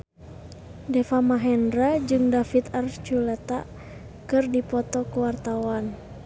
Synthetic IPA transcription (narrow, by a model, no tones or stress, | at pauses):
dɛfamaɦɛndɾad͡ʒɨŋdafit̪art͡ʃulɛt̪a̰ | kɨrdipɔt̪ɔkuwart̪awan